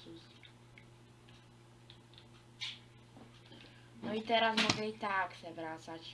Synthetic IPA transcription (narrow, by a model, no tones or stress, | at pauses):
us | nɔit̪ɛɾasmɔɡɛit̪aksɛbɾasat͡ɕ